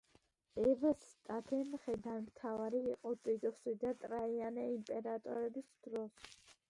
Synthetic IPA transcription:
ɛvɛst̪ʼat̪ʰɛmχɛd̪anmt̪ʰavaɾiːqʼɔt̪ʼit̪ʼsid̪at̪ʼɾaianɛimpʼɛɾat̪ʼɔ̰ɾɛbisd̪ɾɔs

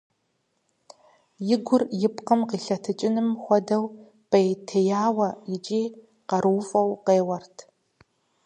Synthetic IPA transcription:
jɪɡʷʊrjɪpqəmqiːɬɐtʰɨt͡ʃʼɪnɨmxʷɔdɐw | pɐjtʰɐjaːwɐjɪt͡ʃʼiː | qɐɾuːfʼɐwqeːwɐrtʰ

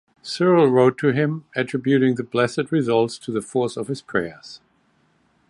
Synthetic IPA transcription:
sɜ˞l̩ˠɹoʊtʰɨɪ̃mɨtʰɹ̥ɪbjʉɾɪ̃ŋðɨblɛsɨd̚ɹɪzʌlˠtstʰɨðɨfɔɹsʌv̥ɨz̥pʰɹ̥ɛɹz̥

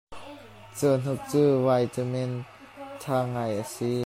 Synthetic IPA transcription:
t͡son̥uk̚t͡suːwajt͡səmɛn | t̪ʰaːŋajʔasi

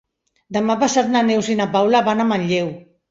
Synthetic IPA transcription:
d̪əmapasat̪nanewsinapawlaβanamanʎew

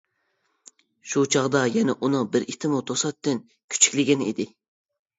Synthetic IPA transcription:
ʃut͡ʃʰɑʁd̪ɑjɛnɛʔunɨŋbɪɾʔit̪ʰɪmut̪ʰosɑt̪ːɪn | kʲʰy̥t͡ʃʰi̥kʲlɪɡʲɛnḭd̪ɪ

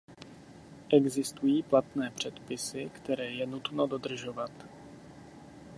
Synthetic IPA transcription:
ʔɛɡzɪst̪ujiːplat̪nɛːpr̝̥ɛt̪pɪsɪkt̪ɛɾɛːjɛnut̪no̞do̞d̪r̩ʒovat̪

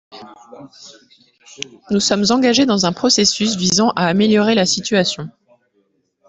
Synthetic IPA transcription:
nusɔmzɑ̃ɡaʒed̪ɑ̃zɛ̃pχɔsesysvizɑ̃ʔaːmeljɔʁelasit̪ɥasjɔ̃

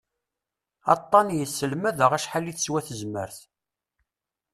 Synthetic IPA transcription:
ɑ̰t̪ˤːɑnjəsːəlmæðəʁæʃħalːiθə̥swæθəzmə̰ɾθ

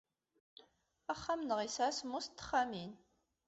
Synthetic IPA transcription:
æχːamnəʁisʕasmʊst̪ːə̥χːamin

